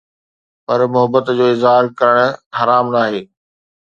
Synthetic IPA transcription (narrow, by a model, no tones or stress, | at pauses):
pɐɾmʊɦəbːət̪d͡ʑoːɪzɦaːɾkɐɾəɽ̃̆hɐɾaːmnaːɦeː